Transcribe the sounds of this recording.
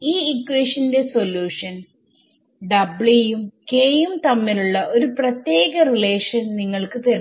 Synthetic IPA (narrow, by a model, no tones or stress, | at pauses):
iːikweːʂɐnde̞so̞luːʂɐn | ɖɐbɭijumkeːjumt̪ɐmːiluɭːɐʔo̞ɾuprɐt̪je̞ːɣɐrile̞ːʂɐnniŋːɐɭkɨpeɾi